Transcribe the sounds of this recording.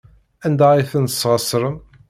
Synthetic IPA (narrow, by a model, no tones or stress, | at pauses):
ænd̪æiθənt̪ə̥sʁəsɾəm